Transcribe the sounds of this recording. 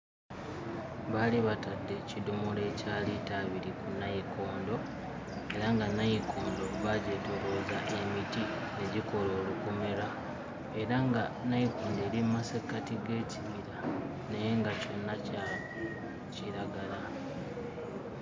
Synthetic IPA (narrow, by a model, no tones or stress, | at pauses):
βaliβatadːe̞cidomole̞caːlitaβiɾikunːajikʰo̞ːndo̞ | e̞ɾaŋɡanajikʰoːndo̞βaɟe̞to̞ɾozaʔe̞miti | ne̞ɟiko̞lo̞ːlukume̞ɾa | e̞ɾaŋɡanajikoːnde̞ːlimmasekatiɡe̞ːciβiɾa | nejeŋɡaco̞nːaca | ciɾaɡala